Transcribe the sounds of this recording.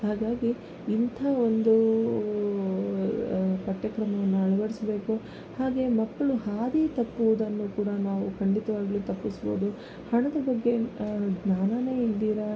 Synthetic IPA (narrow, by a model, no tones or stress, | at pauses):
haːɡaːɡiː | nt̪ʰaːo̞nd̪u | kɐʈjɐkɾɐmɐʋɐnːuɐɭɐʋɐɽisɐbe̞ːku | haːɡe̞mɐkːɐɭuhaːd̪it̪ɐpːuʋud̪ɐnːuːkuːɽɐnaːʋukɐɳɖit̪ɐʋaːɡilut̪ɐpːisbo̰ːd̪u | hɐɳɐd̪ɐbɐɡːe̞ɡnaːnɐne̞ːild̪iːɾɐ